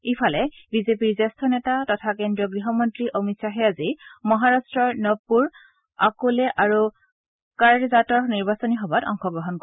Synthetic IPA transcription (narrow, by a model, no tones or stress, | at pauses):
ipʰalɛbizepiɹzastʰɔnɛtatɔtʰakendɹiɔɡɹiɦɔmɔntɹiʔomitsaɦɛazimɔɦaɹastɹɔɹnɔpːuɹ | akolɛʔaɹu | kaɹzatɔɹniɹbasɔniɦɔbatɔ̰ŋxɔɡɹɔɦɔnkɔ